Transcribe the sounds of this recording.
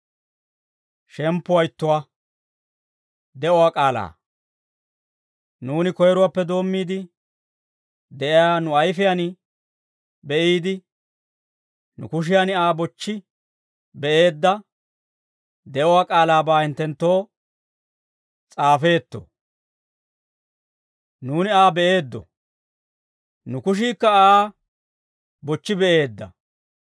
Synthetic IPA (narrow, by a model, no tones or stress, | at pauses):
ʃɛmpːʊwɐjɪt̪ːʊwa | d̪ɛʔɔwaːkʼaːla̰ː | nuːnɪkɔjɛɾʊwapːɛd̪o̞ːmːiːd̪ɪ | d̪ɛʔɪjaːnʊɐjfɪjan | bɛʔiːd̪ɪ | nʊ̰kʊʃ̬ɪjanɪaːbɔt͡ʃːɪ | bɛʔe̞ːd̪ːɐ | d̪ɛʔɔwaːkʼaːlaːbaːhɪnt̪ːɛnt̪ːo̞ː | t͡sʼaːfe̞ːt̪ːɔ̰ | nuːnɪaːbɛʔe̞ːd̪ːɔ̰ | nʊkʊʃ̬iːkːɐaː | bɔt͡ʃːɪbɛʔe̞ːd̪ːɐ̰